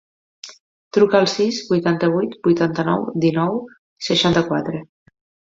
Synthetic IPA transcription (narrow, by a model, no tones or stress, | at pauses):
t̪ɾukəːlˠsizbujt̪ant̪əβ̞ujt̪bujt̪ant̪ənɔ̰wd̪inɔw | səʃant̪əkwat̪ɾe